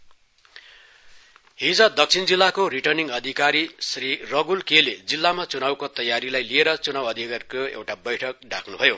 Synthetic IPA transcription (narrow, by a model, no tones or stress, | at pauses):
ɦid͡zʌd̪ʌk̚t͡sʰind͡zilːakoriʈʌrniŋʌd̪ʱikaɾisrirʌɡulkeled͡zilːamat͡sunawkat̪ʌjaɾilajlieɾʌt͡sunawʌd̪ʱikarkoḛwʈabʌjʈʰʌk̚ɖa̰kʰnubʱʌjo